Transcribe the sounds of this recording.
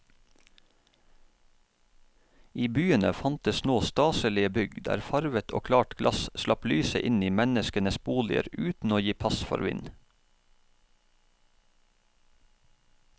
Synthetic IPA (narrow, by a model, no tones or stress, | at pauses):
iːbyːənəfɑnt̪əsnoːst̪ɑːsəlɪəbʏɡd̪æ̰ːɾfɑɾʋət̪ʰo̰ːkʰlɑːʈɡlʔɑsslɑplyːsə̰ʔɪniːmɛnəskənəsbuːlɪ̰ə̰ɾʉːt̪n̩oːjiːpʰɑsfɔ̰ɾʋɪ̰n